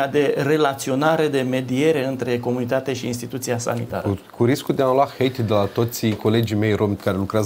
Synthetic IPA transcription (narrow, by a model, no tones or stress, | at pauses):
ad̪e̞re̞lat̪sio̞naɾe̞d̪e̞me̞d̪ie̞ɾe̞ɨnt̪ɾe̞ko̞munit̪at̪eʃiːns̬t̪it̪ut̪siasa̰nḭt̪a̰ɾəkuɾiskuld̪ealwaxejt̪d̪elat̪o̞t̪sʲko̞le̞d͡ʒime̞jromt̪kaɾe̞lukɾeaz